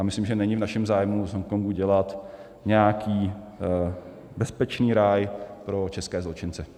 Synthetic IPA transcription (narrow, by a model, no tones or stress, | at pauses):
jamɪslimʒɛnɛɲɪvnaʃɛmzaːjmuzɦomkoŋɡuɟɛlat̪ | ɲɛakʰiː | bɛspɛt͡ʃniːɾaːjpɾo̞t͡ʃɛskɛːzlot͡ʃɪnt͡sɛ